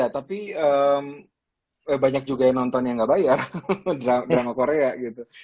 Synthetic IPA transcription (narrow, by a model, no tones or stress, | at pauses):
at̪apiəm | əbaɲak̚d͡ʒuɡajanɔnt̪ɔnjaŋɡaʔbajardɾadɾamakoɾeaɡit̪u